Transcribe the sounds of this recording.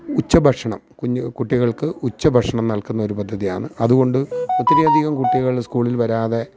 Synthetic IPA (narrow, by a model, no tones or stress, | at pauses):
ut͡ɕːɐbʱɐʈʂɐɳɐmkukuʈːiɣɐɭkɨut͡ɕːɐbʱɐʂɐɳɐmnɐɭlkunːɐo̞ɾupɐd̪ʱːɐðija̰ːɳɨɐðuɣo̞ɳɖɨet̪ːɐɾɐjɐd̪ʱiɣɐmkuʈːiɣɐɭskuːɭilʋɐɾaːðe̞